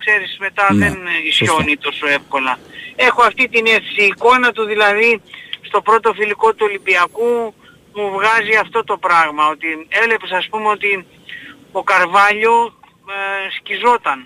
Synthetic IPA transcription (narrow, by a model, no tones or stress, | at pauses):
kse̞ɾisme̞t̪ɐðe̞nisço̞nit̪o̞soe̞fko̞lɐe̞xo̞ɐft̪it̪ine̞θesiːko̞nɐt̪uðilɐðist̪o̞pɾo̞t̪o̞filiko̞t̪uolibiɐku | muvɣɐziɐft̪o̞t̪o̞pɾɐɣmɐo̞t̪ie̞le̞pesɐspumeo̞t̪i | o̞kɐɾvɐʎo̞ | scizo̞t̪ɐn